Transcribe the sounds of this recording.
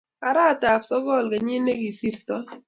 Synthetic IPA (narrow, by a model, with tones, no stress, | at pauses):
a˨ɾa˦˨ta˨psɔ˦ɡɔ˦˨lɡɛ˨ɲɪ˦nːe˦ɡi˨si˦ɾt̪ɔ˦